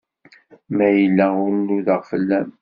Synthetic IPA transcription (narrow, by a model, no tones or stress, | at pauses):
mæjəlːæʊɾnːuðəʁfəlːæm